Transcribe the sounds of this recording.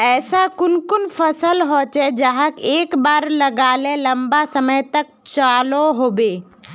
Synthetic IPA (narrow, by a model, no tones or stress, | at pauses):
ɛːsakʊnkʊnfʰɐsəlɦoːt͡ʃɛd͡ʒɐɦakeːkbaːɾlɐɡaːlelɐmbasɐməjt̪ɐk̚ | t͡ʃaːloɦoːbeː